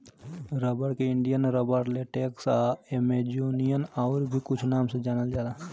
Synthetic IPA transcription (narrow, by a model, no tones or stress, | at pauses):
ɾəbəɽkeɪɳɖijənɾəbəɾleʈeːksaemed͡ʒoːnijənaːɾbʱikʊt͡ʃʰnaːmsed͡ʒaːnəld͡ʒaːlaː